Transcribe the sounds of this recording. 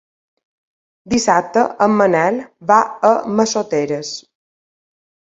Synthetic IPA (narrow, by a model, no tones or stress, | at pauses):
d̪isap̚t̪əʔəmːənɛlβaəməsot̪eɾəs